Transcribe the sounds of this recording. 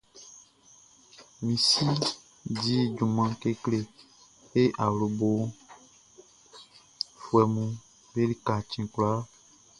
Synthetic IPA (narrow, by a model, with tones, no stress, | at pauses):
mĩ˨si˦ | d͡ʒi˦d͡ʒu˨mã˨ke˦kle˦ | e˦ʔa˨wlo˨bo˨ | fu˨ɛ˨mũ˦ | be˦li˦ka˨t͡ʃĩ˨kla˦